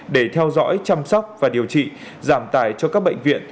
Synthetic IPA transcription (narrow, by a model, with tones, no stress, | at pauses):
ɗe˧˩t̪ʰɛ˧wzɔ̰˧˥jt͡ɕa˧msɔ˦˥wk͡p̚vaː˨˩ɗi˨˩əwt͡ɕḭ˧˨ | zaː˧˩mt̪aː˧˩jt͡ɕɔ˧kaː˦˥k̚ɓə̰˧˨jŋ̟vḭ˧˨ən